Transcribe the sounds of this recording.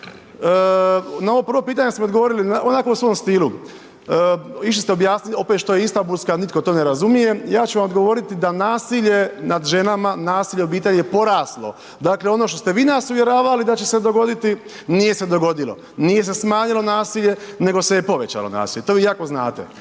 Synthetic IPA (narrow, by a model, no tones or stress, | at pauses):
nao̞ʋopr̩ɾʋo̞piːt̪aɲe̞smood̪ɡoʋo̞ːɾilinaonako̞usʋo̞mst̪iːlu | iʃ̬list̪eobjaːsnilo̞pet̪ʃt̪o̞jeist̪ambulskanit̪ko̞t̪o̞ːne̞ɾazumije̞jaːt͡ʃuʋamod̪ɡo̞ʋo̞ːɾit̪id̪anaːsiʎe̞nad̪ʒe̞namanaːsiʎeo̞biːt̪e̞ʎijepo̞ɾaːslˠo̞̰ | d̪aːkle̞o̞no̞ʃt̪ost̪e̞ʋiːnasuʋje̞ɾaːʋalid̪at͡ɕese̞d̪o̞ɡo̞d̪it̪i | nije̞se̞d̪o̞ɡo̞d̪ilo̞̰ | nije̞s̬e̞smaːɲilo̞naːsiʎe̞ne̞ɡosejepo̞ʋet͡ɕa̰lo̞̰na̰ːsiʎe̞t̪oʋiːjaːko̞zna̰ːt̪ḛ